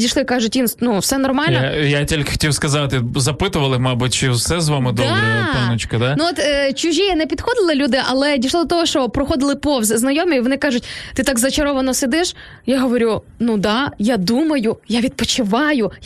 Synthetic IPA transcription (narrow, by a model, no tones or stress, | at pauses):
dʲiʃlˠɪkɑʒʊtʲʋʲinsnuwsɛnɔrmɑlʲnɔjatʲilʲkxɔ̥tʲiwskɐzɑt̪ɪzɐpɪt̪ʊʋɐlˠɪmɑbʊt̚ʲt͡ʃɪwsɛzʋɑmɪd̪ɔɾɛt̪ɐʊt͡ʃkɐd̪anuɔt̪t͡ʃʊʒʲiɛnɛpʲid̪̥xɔd̪ɪlˠɪlʲud̪ɪʔɐlˠɛdʲiʃlˠɔd̪ɔt̪ɔɦɔʃt͡ʃɔpɾɔxɔd̪ɪlˠɪpɔwzɛznɐjɔmʲɪiʋɔnɪkɑʒʊtʲt̪ɪt̪ɑɡzɐt͡ʃɐɾɔʋɐnɔsed̪ɪʃ | jaɦɔʋɔɾʲu | nud̪ɑjad̪umɐjʊjaʋʲid̪̚pɔt͡ʃɪʋɑjʊ